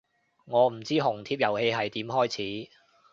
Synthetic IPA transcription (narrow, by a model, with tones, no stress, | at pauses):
ŋɔː˨˧m̩˨˩t͡siː˥ɦʊ˨˩ŋt̪ʰiː˧p̚jɐ˨˩whe˧jɦɐ˨jt̪iː˨˥mɦɔː˥jt͡sʰiː˨˥